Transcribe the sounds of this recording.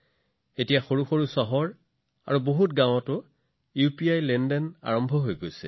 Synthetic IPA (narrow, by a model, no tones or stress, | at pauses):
etijaxoɹuxoɹusɔɦɔɹ | a̰ɹuboɦutɡãw̃ɔtʊ | jupiajlɛndɔna̰ɹɔmbʱɔɦojɡojsɛ̰